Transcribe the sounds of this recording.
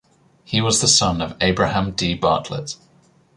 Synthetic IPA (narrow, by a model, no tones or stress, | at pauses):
hiwɒzðəsʌ̃nəveɪbɹəhə̃mdiːbɑ̰ˑʔʰlə̰t